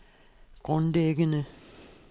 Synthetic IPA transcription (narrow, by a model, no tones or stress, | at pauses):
ɡ̥ʁɔnleːɡənə